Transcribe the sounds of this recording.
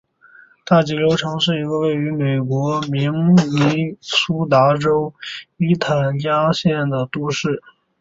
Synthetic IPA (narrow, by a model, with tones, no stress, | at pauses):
t̪a˥˩t͡ɕi˧˥lo˥ʊʈ͡ʂʰɤ˧˥ŋʂɻ̩˥˩i˧˥ɡə˧we˥˩ɪy˧˥me˨˩ɪkwɔ˧˥mi˧˥ŋli˧˥su˥t̪a˧˥ʈ͡ʂo˥ʊi˥t̪ʰa˨˩nt͡ɕja˥ɕjɛ˥˩nd̪ə˩t̪u˥˧ʂɻ̩˥˩